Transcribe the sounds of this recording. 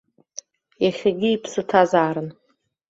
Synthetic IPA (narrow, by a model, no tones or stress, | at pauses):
jaχʲaɡʲiipʰsɨtʰazaːɾɨn